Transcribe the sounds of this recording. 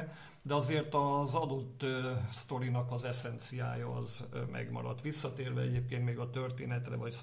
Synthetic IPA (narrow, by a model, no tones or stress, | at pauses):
d̪ɛɒzeːrt̪ɒzɒd̪ot̪ːst̪o̞ɾinɒkɒzɛsɛnt̪sija̰ːjɒɒzmɛ̰ɡmɒ̰ɾɒ̰t̪ʋisːɒt̪eːrvɛɛɟeːp̚keːnt̪meːɡɒt̪ørt̪eːnɛt̪rɛvɒc